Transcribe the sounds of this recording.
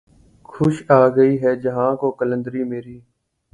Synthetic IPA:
kʰʊʃaːɡəiːɦɛːd͡ʒəɦãːkokələ̃nd̪əɾiːmeːɾiː

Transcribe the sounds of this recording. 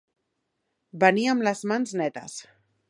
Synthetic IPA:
baniamlazmanznɛt̪a̰s

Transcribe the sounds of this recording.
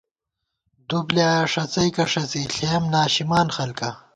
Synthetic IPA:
d̪ubljaːʂɐt͡sɐjkɐʂɐt͡siɬeːmnaːɕimaːnxɐlkɐ

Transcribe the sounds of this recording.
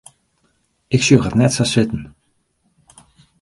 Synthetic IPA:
ɪksøːχətnɛtsasɪtən

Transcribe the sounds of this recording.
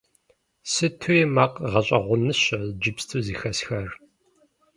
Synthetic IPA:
sɨtʰujɛmaqʼʁɐɕʼɐʁʷʊnɨɕɐd͡ʒɪpstʰuːziːxɐsxɐr

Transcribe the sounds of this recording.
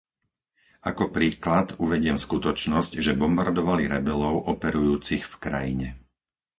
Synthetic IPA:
akɔpɾiːklat̪uʋɛɟɪɛmskut̪ɔt͡ʃnɔscʒɛbɔmbaɾd̪ɔʋaliɾɛbɛlɔʊʔɔpɛɾujuːt͡sixfkɾa̰jiɲɛ

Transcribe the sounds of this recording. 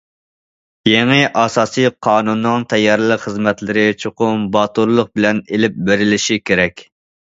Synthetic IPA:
jeŋɨʔɑsɑːsɨjqʰɑːnunːɨŋt̪ʰɛjːɑɾlˠəqχəzmɛt̪lɪɾɪt͡ʃʰoqʊmbɑt̪uɾlˠʊq̚bɪlɛnelɪp̚beɾɪlɪʃikʲeɾɛkʲ

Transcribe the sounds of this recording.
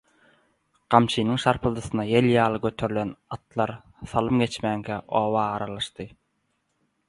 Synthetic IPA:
ɢ̥ɑmt͡ʃʰiːnɯŋʃɑɾpʰɯlˠd̪ɯθɯnɑjelʲjɑːlˠɯɡøt̪ʰø̞ɾylʲenɑt̪lˠɑɾ | θɑlˠɯmɡe̞t͡ʃmæːŋɡʰæʔoːβɑːɾɑlˠɑʃt̪ɯ

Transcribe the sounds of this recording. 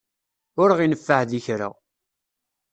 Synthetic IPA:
ʊɾʁinəfːahðiçɾa̰

